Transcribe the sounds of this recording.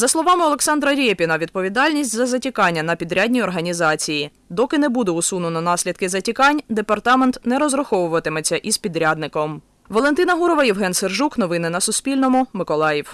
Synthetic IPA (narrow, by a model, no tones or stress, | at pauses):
zɐslˠɔʋɑmɪɔlˠeksɑnd̪ɾɐɾʲɛpʲinɐʋʲid̪̚pɔʋʲid̪ɑlʲnʲisʲtʲzɐzɐtʲikɑnʲːɐnɐpʲid̪ɾʲadʲnʲiɔrɦɐnʲizɑt͡sʲiji | d̪ɔkɪnɛbud̪ɛʊsunʊnɔnɑsʲlʲid̪̚kɪzɐtʲikɑnʲd̪epɐrt̪ɑment̪nɛɾɔzrɐxɔʋʊʋɐt̪ɪmet͡sʲːɐʔizpʲid̪ɾʲad̪nɪkɔm | ʋɔlˠent̪ɪnɐɦuɾɔʋɐjiwɦɛnserʒuknɔʋɪnɪnɐsʊsʲpʲilʲnɔmʊmɪkɔlˠɑjiw